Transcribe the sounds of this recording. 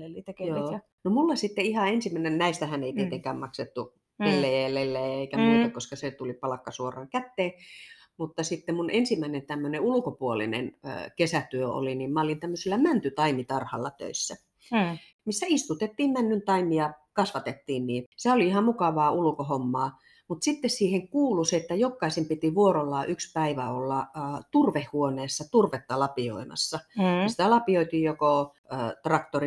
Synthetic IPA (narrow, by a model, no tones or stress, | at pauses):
t̪kjoː | nomulːɑsit̪ːeihɑensimːˑæˑnennæˑist̪æhæneit̪iet̪eŋkæːmmɑkset̪ːu | elːejælelːejæeikæmuːt̪ɑkoskɑset̪ulipɑlɑkːɑsuorɑːŋkæt̪ːeː | mut̪ːɑsit̪ːemunʔensimːˑæˑinent̪æmːøneulŭkopuolḭnḛnkesæt̪yøo̰liniːmmæolint̪æmːøsilːæmænt̪yt̪ɑimit̪ɑrhɑ̰lːɑt̪ø̰isːæ | misːæist̪ut̪et̪ːiːmmænːynt̪ɑimijɑkɑsʋɑt̪et̪ːiːnniːsæoliihɑmmukɑʋɑːulŭkohomːɑː | mut̪sit̪ːessiːheŋkuːluseet̪ːæjokːɑisempit̪iʋuorolːɑːʔykspæiʋæolːɑːt̪urʋehhuoneːsːɑt̪urʋet̪ːɑlɑpio̰imɑ̰sːɑsi̥t̪ælɑpioit̪iːjjoko | t̪rɑkt̪ori